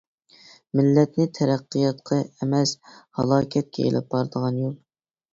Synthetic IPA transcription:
mɪlːɛt̪̚nɪt̪ʰɛɾæqːɨjɑt̪qʰɑɛmɛshɑ̰lˠɑːkʲʰɛt̪̚kʲɛḛlʔɪ̰p̚bɑɾd̪əʁɑnjulˠ

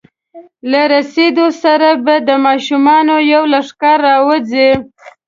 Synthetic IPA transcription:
laɾased̪osaɾabad̪əmɑʃumɑnojawlaʂkaɾːɑwəze

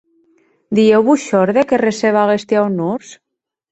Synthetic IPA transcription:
d̪iewβuʃɔɾðekereseβaɣest̪jawnuɾs

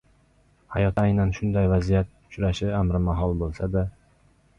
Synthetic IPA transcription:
hajɒt̪ajnanʃʊnd̪ajvazijat̪̚ʊ̥t͡ʃɾaʃɪamɾɪmaɦɒlˠbolˠsad̪a

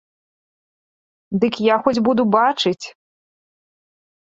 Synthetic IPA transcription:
d̪ɨkjaxɔd͡zʲbud̪ubat͡ʂɨt͡sʲ

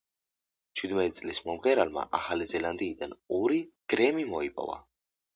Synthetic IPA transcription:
t͡ʃʰwid̪mɛt̪ʼit̪sʼlismɔmʁɛɾalma̰ʔaχalizɛland̪iːd̪anɔɾiɡ̥ɾɛmimɔipʼɔ̰va̰

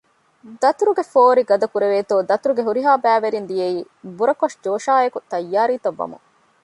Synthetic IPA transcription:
d̪ɐt̪uɾuɡefoːɾiɡɐd̪ɐkuɾeʋeːt̪oːd̪ɐt̪uɾuɡeɦuɾiɦaːbæːʋeɾind̪ijeiː | buɾɐkoʃd͡ʒoːʃaːekut̪ɐjːaːɾiːt̪ɐʋːɐ̰mṵ

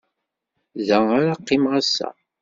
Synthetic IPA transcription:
ðæaɾaqːɪmʁasːæ̰

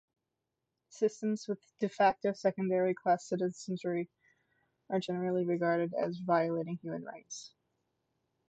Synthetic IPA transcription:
sɪstə̃mzwɨðd̥ɨfæk̚toʊsɛkɨ̃ndɛɹikʰl̥æsɪɾɨɛ̃nt͡ʃə˞i | ə˞d͡ʒɛnə˞l̩ˠiɹɨɡɑɹɾɨɾɨ̰zvaɪɨleɪɾɪ̃ŋhjʉmɨ̃nɹa̰ɪts

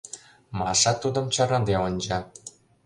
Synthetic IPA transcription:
mɑʃɑt̪ud̪ə̆mt͡ɕɑɾɑd̪eonʲd͡ʑɑ

